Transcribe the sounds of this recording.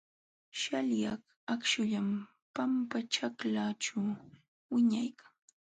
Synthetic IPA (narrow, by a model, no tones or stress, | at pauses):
ʃaljak | akʃʊʎam | pampaʈ͡ʂaklaʈ͡ʂaw | wɪɲajkaŋ